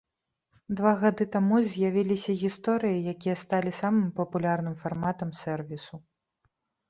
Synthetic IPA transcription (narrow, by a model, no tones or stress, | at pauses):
d̪vaɣad̪ɨt̪amuzʲjavʲilʲisʲɐɣʲist̪ɔɾɨjijakʲijɐst̪alʲisamɨmpɐpulʲarnɨmfarmat̪ɐmsʲɛrvʲisu